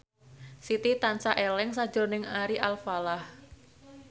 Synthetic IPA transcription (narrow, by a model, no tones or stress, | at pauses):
sit̪it̪ant͡ʃaʔelɛŋsḁd͡ʒʊnɪŋaɾiʔalfalah